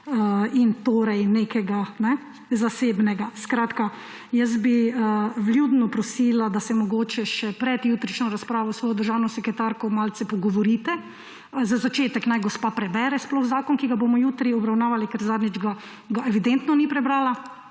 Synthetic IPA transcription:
int̪oːɾɛjnekɛɡanɛ | zaseːbnɛɡaskɾaːt̪ka | jəs̬biəʋljuːd̪nupɾɔsilad̪asɛmɔɡoːt͡ʃɛʃɛpɾɛd̪juːt̪ɾit͡ʃnɔɾaspɾaːʋɔwsʋɔːjɔd̪əɾʒawnɔsɛkɾɛt̪aɾkɔmaːlsɛpɔɡɔʋɔɾiːt̪ɛ | zazat͡ʃeːt̪ɛknajɡɔspaːpɾɛbɛːɾɛsplɔxzaːkɔnkiɡabomɔjuːt̪ɾiɔbɾawnaːʋalikɛɾzaːd̪nid͡ʒɡa | ɡaɛʋid̪ɛnt̪nɔnipɾɛbɾaːla

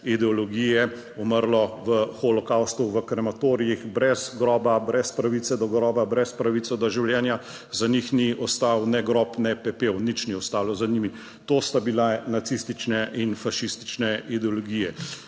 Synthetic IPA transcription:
id̪ɛɔlɔɡiːjɛ | ɔməɾlɔʋəxɔlɔkawst̪uʋəkɾɛmat̪oɾijixbɾɛzɡɾɔːbabɾɛspɾaʋit̪sɛd̪ɔɡɾɔːbabɾɛspɾaʋisɔd̪ɔʒiwljɛːnja | zanixniɔst̪awnɛɡɾɔpnɛpɛpewnit͡ʃniɔst̪aːlɔzanimi | t̪oːst̪abilanat̪sist̪it͡ʃnɛʔinfaʃist̪i̥t͡ʃnɛʔid̪ɛɔlɔɡiːjɛ

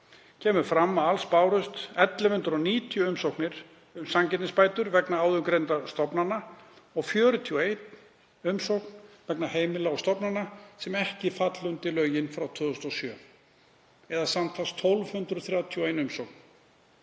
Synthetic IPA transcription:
cʰɛːmʏɾ̥fɾamːaalspaːwɾʏst̪ɛt̪lɪhʏnt̪ɾɔniːt̪ʰijʏʏmsowknɪɾ̥ | ʏmsamcɛt̪nɪspaːjt̪ʏɾvɛknaaːwðʏmkɾejnt̪ast̪ɔpnanːa | ɔɣfjœːɾʏt̪ʰiɔejt̪ | ʏmsowknvɛknaɦeːjmɪlaɔst̪ɔpnanːasɛmɛhcɪfat̪lʏnt̪ɪlœːɥjɪnfɾawt̪ʰvʏːðʏst̪ɔsjœː | ɛðasamt̪ʰast̪ʰːɔlv̥hʏnt̪ɾʏθɾjaːwt̪ʰjɔejnʏmsowk̚n̥

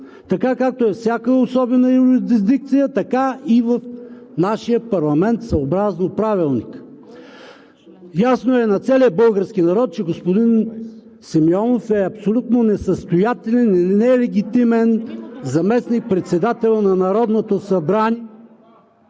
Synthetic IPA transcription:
t̪ɐkakak̚t̪oɛfsʲjakəosɔbɛnəjuɾizd̪izd̪ik̚t̪sijət̪ɐkaivɐfnaʃijəpɐɾlˠɐmɛnt̪sɐobɾaznopɾavilˠnik | jasnoɛnɐt̪sɛliəbɤlˠɡəɾsk̟inɐɾɔt̪̚t͡ʃɛɡospʊd̪in | simiɔnofɛɐpsolʲut̪nonɛsəst̪ojat̪ɛlɛnnɛlɛɡʲit̪imɛnzɐmɛsnik̚pɾɛt̪sɛd̪at̪ɛlˠənɐnɐɾɔd̪not̪osɐbɾanʲi

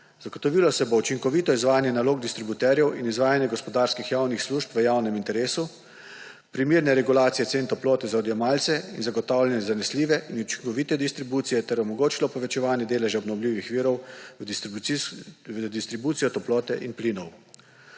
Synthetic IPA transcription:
z̥aɡot̪ɔʋilɔsɛbout͡ʃiŋkɔʋit̪ɔizʋaːjanjɛnaloːɡ̚d̪ist̪ɾibut̪ɛɾjɛwinizʋaːjanjɛɡɔspɔd̪aːɾskixjaːwnixsluːʃpʋəjawnɛmint̪ɛɾeːsu | pɾimeːɾnɛɾɛɡulaːt̪sijɛt̪seːnt̪ɔplɔːt̪ɛzaɔd̪jɛmaːlt̪sɛinzaɡɔt̪aːwlʲɛnɛzanɛsliːʋɛʔinut͡ʃi̥ŋkɔʋiːt̪ɛd̪ist̪ɾibuːt̪sijɛt̪ɛɾɔmɔɡoːt͡ʃilɔpɔʋɛt͡ʃɛʋaːnjɛd̪eːlɛʒaɔbnɔwliːʋixʋiːɾɔw̪ | d̪ist̪ɾibuːt̪sijɔt̪ɔplɔːt̪ɛʔinpliːnɔw

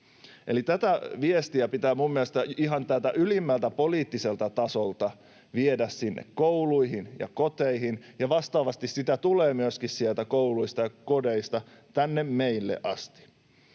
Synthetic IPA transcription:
ʔelit̪æt̪æʋiest̪iæpit̪æːmumːielest̪ɑiɦɑnt̪ælt̪æ̰ʔylimːælt̪æpo̞liːt̪ːise̞lt̪ɑt̪ɑsolt̪ɑ | ʋiedæssinːḛkkːowluiɦinjɑ̰kot̪eiɦin | jɑʋɑst̪ɑːʋɑst̪issit̪æt̪uleːmyøskissielt̪ækouluist̪ɑjɑkodeist̪ɑ | t̪ænːemmeilːḛʔɑst̪i̥

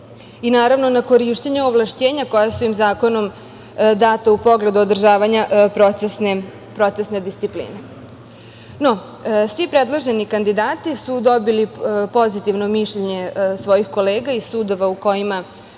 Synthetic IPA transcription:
inaːɾaʋno̞nako̞ɾiʃt̪eɲeoʋlˠaʃt͡ɕeːɲako̞jasuimzaːko̞no̞m | d̪aːt̪aupo̞ɡle̞d̪uod̪r̩ʒaːʋaɲapɾoesne | pɾo̞t̪sesned̪ist̪siplḭːne | no̞ | sʋipɾed̪lˠoʒe̞nikand̪id̪aːt̪isud̪o̞bilipo̞zit̪iʋno̞miʃʎeɲe̞sʋo̞jixko̞le̞ːɡaisuːd̪o̞ʋauko̞jima

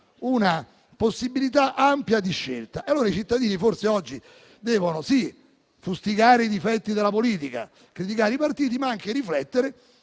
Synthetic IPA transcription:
una | posːibːilit̪aʔampjad̪iʃːḛlt̪aealːoːɾait͡ʃit̪ːad̪iːniforseɔd͡ʒːi | d̪ɛːvonosi | fust̪iɡaːɾeid̪ifɛt̪ːid̪elːapoliːt̪ika̰ | kɾit̪̬ikaːɾeipart̪iːt̪̬imaaŋkeɾiflɛt̪ːeɾe

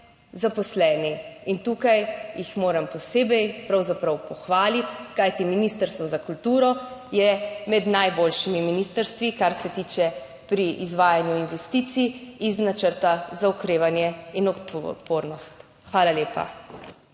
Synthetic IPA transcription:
zapɔslɛːniint̪uːkajjixmoːɾampɔseːbɛjpɾawzapɾawpɔxʋaːlit̪kajt̪iminiːst̪əɾst̪ʋɔzakult̪uːɾɔjɛmɛd̪najboːlʃimiminist̪əɾst̪ʋikaɾsɛt̪iːt͡ʃɛ | pɾiʔizʋaːjanjuinʋɛst̪iːt̪sijiznat͡ʃəɾt̪azaɔkɾeːʋanjɛinɔpoːɾnɔst̪ | xʋaːlaljeːpa̰

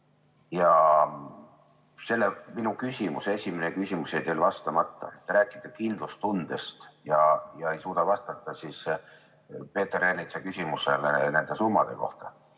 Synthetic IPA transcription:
jɑ | se̞lːeminukysʲimuse̞sʲimenekysʲimusejt̪elvɑst̪ɑmɑt̪ˑːɑ̰et̪ːˑɾæːkːˑid̪̥ɑkind̪̥lust̪und̪̥e̞st̪jɑjɑe̞jsuːd̪̥ɑvɑst̪ɑt̪ˑːɑsis | pe̞ːt̪ːerenit̪sekysʲimusḛlene̞nd̪̥e̞sumːɑ̰d̪̥e̞̰ko̞̰ht̪ɑ̥

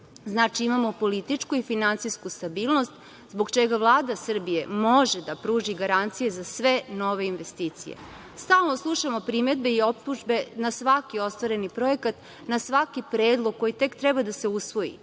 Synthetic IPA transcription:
znaːt͡ʃiimamo̞po̞lit̪it͡ʂkuifinant̪sijskust̪abiːlˠno̞st̪ | zbo̞ɡt͡ʃeɡaʋlˠaːd̪asr̩bije̞mo̞ʒed̪apɾuːʒiɡaɾant̪sije̞zasʋe̞no̞ʋe̞inʋest̪iːt̪sḭjḛ | st̪aːlˠno̞slˠuʃamo̞pɾime̞d̪be̞io̞p̚t̪uʒbe̞nasʋakio̞st̪ʋaɾe̞nipɾo̞e̞kat̪ | nasʋakipɾeːd̪lˠoɡ̚kːo̞jit̪e̞kt̪ɾɛbad̪ase̞usʋo̞jḭ

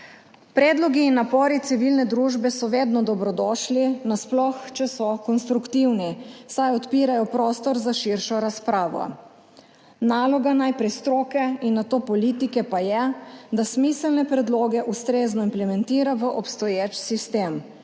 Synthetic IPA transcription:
pɾɛd̪lɔɡiːnːapɔːɾit̪siʋilnɛd̪ɾuʒbɛsɔʋeːd̪nɔd̪ɔbɾɔd̪ɔʃlinasplɔxt͡ʃɛsɔkɔnst̪ɾukt̪iwnisajɔt̪piːɾajɔpɾoːst̪ɔɾzaʃiɾʃɔɾaspɾaːʋɔ̰ | naːlɔɡanajpɾɛjst̪ɾoːkɛinːat̪oːpɔliːt̪ikɛpajɛd̪asmiːsəlnɛpɾɛd̪loːɡɛʔust̪ɾeːznɔimplɛmɛnt̪iːɾaʋəʔɔpst̪ɔjeːt͡ʃsist̪eːm

